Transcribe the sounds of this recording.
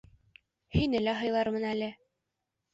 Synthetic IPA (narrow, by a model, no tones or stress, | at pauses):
hinɘlæɦɤ̆jlˠɑɾmɤ̆nælɘ